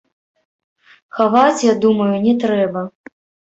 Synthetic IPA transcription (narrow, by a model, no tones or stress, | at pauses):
xavat͡sʲjad̪umɐjunʲɛt̪ɾɛbɐ